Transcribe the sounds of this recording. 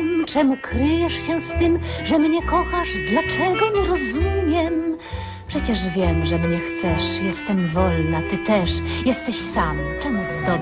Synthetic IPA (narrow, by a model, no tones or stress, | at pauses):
mt͡ʂɛmukɾɘjɛʂɕɛst̪ɘmʐɛmɲɛkɔxaʐd̪lat͡ʂɛɡɔɲɛɾɔzumʲjɛm | pʂɛt͡ɕɛʐvʲjɛmʐɛmɲɛxt̪sɛʂjɛst̪ɛmvɔlnat̪ɘt̪ɛʂjɛst̪ɛɕsamt͡ʂɛmuzd̪ɔ